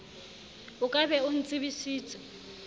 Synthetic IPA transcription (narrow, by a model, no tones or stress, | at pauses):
ʊkʼabɛʊn̩t͡sʼɪβisiːt͡sʼɛ̥